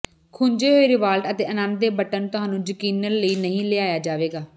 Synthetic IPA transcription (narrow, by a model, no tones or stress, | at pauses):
kʰʊɲd͡ʒeːɦoːiːɾɪʋaːlʈət̪eːʔənãːnd̪eːbəʈənt̪ʊɦaːnũːd͡ʒəkiːnənləiːnəɦĩːlɪːaːjaːd͡ʒaːʋeːɡaː